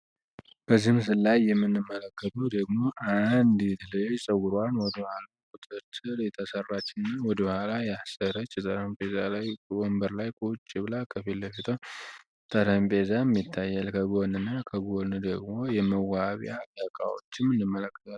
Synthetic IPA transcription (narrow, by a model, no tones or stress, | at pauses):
b̥əzihms̬ɨlːajːɛmːɨnːɨmːələkːət̪ʰʼud̪əɡmo̞ʔand̪jɛt̪ʰələjosʼəwʊɾanwɔd̪əbhalakʼut̪ʼɨɾt̪ʰʼɨɾjɛt̪ʰəsərːat͡ʃːɪnɨnːawɔd̪əβəhalajasəɾət͡ʃːjɛt̪ʼəɾəmpʼezalajombəɾlajkʰʼut͡ʃʼːiβlakʰəfilːəfit̪ʰəw | t̪ʼəɾəmpʼezamːit̪ʰːajːɛlkʰəɡonɨnːakʰəɡond̪əɡmo̞jɛməwaβja̰d̪əkʼa̰wo̰t͡ʃːɪmːɨnːɨmːələkːə̥t̪ʰʼal